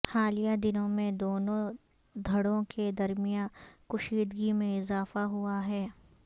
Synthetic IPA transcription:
haːlijad̪ɪnõmẽd̪oːnõ | d̪ʱɐɽõked̪ɐɾmɪjãkʊʃiːd̪ɡimẽɪzaːfaɦuaɦɛː

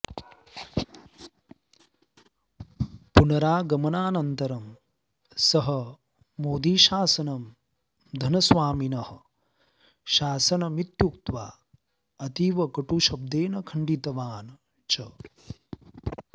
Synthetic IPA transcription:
punɐɾaːɡɐmɐnaːnɐnt̪ɐɾɐm | sɐɦɐ | moːd̪iːʃaːsɐnɐm | d̪ʱɐnɐsʋaːminɐhɐ | ʃaːsɐnɐmit̪jukt̪ʋaː | ɐt̪iːʋɐkɐʈuʃɐb̚d̪eːnɐkʰɐɳɖit̪ɐʋaːn | t͡ʃɐ

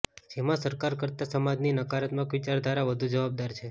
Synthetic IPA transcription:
d͡ʒemãsəɾkaɾkəɾt̪asəmad͡ʒninəkaɾət̪mãkʋit͡ʃaɾd̪ʱaɾaʋəd̪ʱud͡ʒəʋab̚d̪aɾt͡ʃʰe

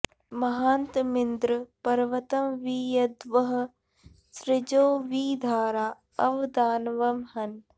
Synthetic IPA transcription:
mɐɦaːnt̪mɪnd̪ɾəpɐɾʋɐt̪ɐmʋiːjɐd̪ʋɐɦ̆ | sɾɪd͡ʒoːʋiːd̪ʱaːɾaː | ɐʋd̪aːnʋɐmhɐn

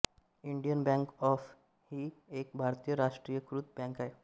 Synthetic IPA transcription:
iɳɖijənbɛ̃ŋkɔf | hiːek̚bʱaɾt̪ijəɾaʂʈɾiːjəkɾut̪̚bɛ̃ŋkae

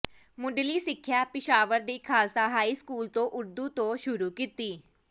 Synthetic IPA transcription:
mʊɖliːsɪkʰːjaːpɪʃaːʋəɾd̪iːkʰaːsaːɦaːiːskuːlt̪õːʔʊɾd̪uːt̪õːʃʊɾuːkiːt̪iː

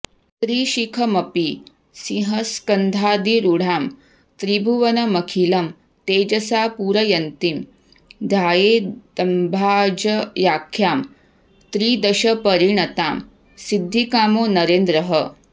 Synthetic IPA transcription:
t̪ɾiːʃikʰɐmɐpi | siɦɐskɐnd̪ʱaːd̪iɾuɽ̤aːm | t̪ɾibʱuʋɐnɐmɐkʰilɐm | t̪eːd͡ʒɐsaːpuːɾɐjɐnt̪im | d̪ʱaːjeːɐmbʱaːd͡ʒɐjaːkʰjaːm | t̪ɾiːd̪ɐɕɐpɐɾiɳɐt̪aːm | sid̪ʱːikaːmoːnɐɾeːnd̪ɾɐɦə

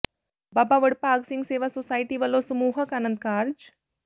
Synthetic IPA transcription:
baːbaːʋəɽpaːɡsɪ̃ŋɡseːʋaːsosaːiʈiʋəlosɐmuːɦəkaːnə̃nd̪̚kaːɾd͡ʒ

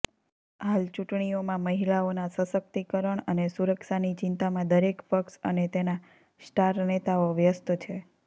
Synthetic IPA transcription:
ɦalt͡ʃuʈɳiomãməɦilaonasəsək̚t̪ikəɾəɳənesuɾəkʃanit͡ʃɪnt̪amãd̪əɾekpəksənet̪ena | sʈaɾnet̪aoʋjəst̪t͡ʃʰe

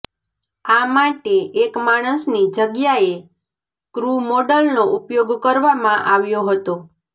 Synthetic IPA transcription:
amaʈeʔekmaɽ̃əsnid͡ʒəɡjae | kɾumoɖəlnoʔupjoɡkəɾʋamãʔaʋjoɦət̪o

